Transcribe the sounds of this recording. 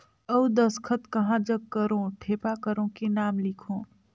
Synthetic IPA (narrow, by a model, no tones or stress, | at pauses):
əwd̪ɐskʰət̪kɐɦãd͡ʒɐb̚kɐɾõʈʰeːpakəɾõkenaːmlɪkʰõː